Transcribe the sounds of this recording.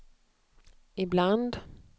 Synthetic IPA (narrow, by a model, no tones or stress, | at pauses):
ɪbland̪